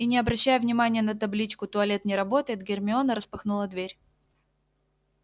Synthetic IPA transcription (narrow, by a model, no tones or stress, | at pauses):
inʲɪɐbɾɐɕːæjʊvnʲɪmanʲɪjənət̪ɐblʲit͡ɕkʊt̪ʊɐlʲe̞t̪nʲɪɾɐbo̞t̪əjɪt̪ɡʲɪrmʲɪo̞nəɾəspɐxnulˠəd̪vʲeɾʲ